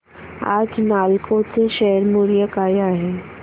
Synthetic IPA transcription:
a̰d͡znalkʰot͡seɕɛɦəɾmuɾijəkajaɦe

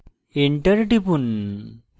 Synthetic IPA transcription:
eɳʈɐɾʈipun

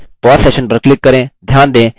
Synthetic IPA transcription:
pɔːseːʃənpɾklɪkːəɾẽːd̪ʱjaːnd̪ẽː

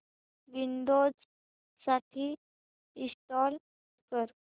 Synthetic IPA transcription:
ʋind̪od͡z | saʈʰiː | isʈɔl | kəɾ

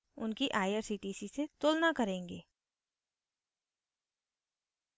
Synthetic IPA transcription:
ʊnkiʔaːjəɾsiːʈiːsiset̪oːlnakɐɾẽːŋɡeː

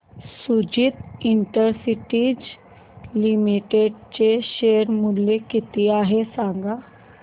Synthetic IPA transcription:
sud͡ʑiːt̪iɳʈəɾsiʈiːd͡ʑ | limiʈeɖt͡ɕeɕeəɾmulekit̪iːaɦesãŋɡa

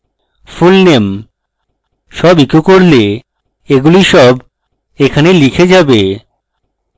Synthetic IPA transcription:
fulnem | ʃɔbikokoɾle | eɡuliʃɔb | ekʰanelikʰed͡ʑabe

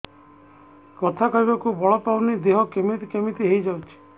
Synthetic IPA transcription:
kɔt̪ʰakɔjbakubɔɭɔpawnid̪eɦɔkemit̪ikemit̪iɦejd͡ʒawt͡ʃʰi̥

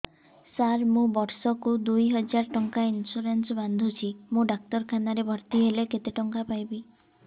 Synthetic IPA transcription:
saɾmũbɔɾsɔkud̪ujɦɔd͡ʒaɾʈɔŋkainsuɾensband̪ʱut͡ʃʰimũɖak̚ʈɔɾkʰanaɾebʱɔɾt̪iɦeleket̪eʈɔŋkapajbi

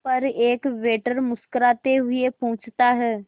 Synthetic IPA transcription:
pɐɾeːkʋeːʈəɾmʊskəɾaːt̪eɦʊiepõːt͡ʃʰt̪aɦɛː

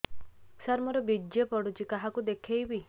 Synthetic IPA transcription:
saɾmɔɾɔbid͡ʒːepɔɽut͡ʃikaɦakud̪ekʰejbi

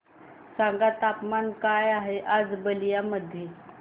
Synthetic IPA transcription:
sãŋɡat̪apmankajaɦeʔad͡zbəlijaməd̪ʱje

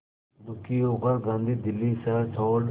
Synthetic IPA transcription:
d̪ʊkiːoːɡəɾɡãːnd̪iːd̪ɪlːiːsɛt̪ʰoːɽ

